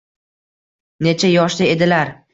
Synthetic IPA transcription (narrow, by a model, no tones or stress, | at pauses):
ne̞t͡ʃʰajɒʃlɪe̞d̪ɪlaɾ